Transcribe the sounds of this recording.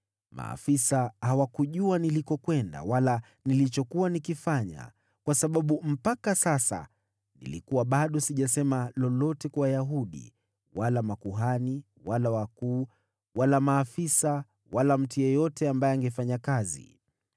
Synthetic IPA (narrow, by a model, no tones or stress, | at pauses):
mʔa̰ːfisahawakuʄuanilikɔkwɛnda̰wala | nilit͡ʃɔkuwanikifaɲa̰ | kwasaɓaɓum̩pakasasa̰ | nḭlḭkuwaɓaɗɔsiʄasɛmalɔlɔtɛkwajaɦuɗḭ | walamakuɦani | walawakuː | walamaːfisa | walam̩tujɛjɔtɛambajɛaŋɡɛfaɲakazḭ